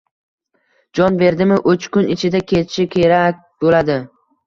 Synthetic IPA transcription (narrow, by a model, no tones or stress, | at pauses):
d͡ʒɒnbe̞ɾd̪ɪmɪʔɵt͡ʃkʰʊnɪt͡ʃʰɪd̪akʲʰe̞t̪ʰɪʃɪkʲʰe̞ɾakʲbolad̪ɪ